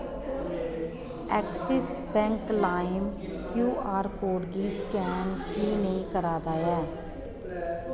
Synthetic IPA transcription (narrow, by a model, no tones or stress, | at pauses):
ɛːksɪs | bɛ̃ːŋklaːɪm | kjuːaːɾkoːɖɡiːskɛːnkiːnəĩːkəɾaːd̪aːɛː